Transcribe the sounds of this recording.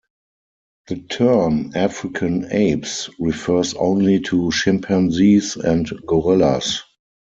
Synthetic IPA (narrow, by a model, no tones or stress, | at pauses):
ðətʰɜ˞næfɹɪkʰãneɪpsɹifɜ˞sõ̰ʊ̃nlitʰuʃɪ̃mpʰɛ̃nzisɛ̃ntɡɔɹɛla̰s